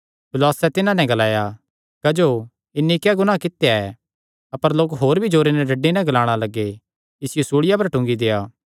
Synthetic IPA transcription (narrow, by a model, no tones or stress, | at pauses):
pʰʊlɔːsɛt̪ɪnãnɛ̃ɡɐlaːja | kɐd͡ʒoː | ɪnːikaɡʊñãkɪt̪ːejaɛ | ɐpəɾloːkɦoːɾbʱid͡ʒoːɾenɛɖɐɖːinɛ̃ɡɐlaːɽ̃alɐɡe | ɪsɪjosuːɽɪjap̬ɐɾʈʊ̃ŋɡid̪eːaː